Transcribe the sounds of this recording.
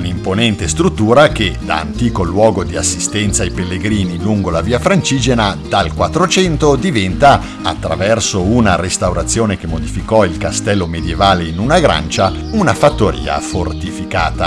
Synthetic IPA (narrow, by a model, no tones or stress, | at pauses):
unimponɛnt̪est̪ɾut̪ːuːɾak̟ed̪a̰ːnt̪iːkolwɔːɡod̪iasːist̪ɛnt̪saːjpelːeɡɾiːniluŋɡolaviːafɾant͡ʃiːd͡ʒenad̪alkwat̪ːɾot͡ʃɛnt̪od̪ivɛnt̪a | a̰t̪ːɾa̰vɛrsounaɾest̪awɾat̪sːjoːnek̟emːod̪ifikɔilkast̪ɛlːomed̪jevaːleinunaɡɾa̰nt͡ʃa | unafat̪ːoɾḭːa̰fort̪ifika̰ːt̪a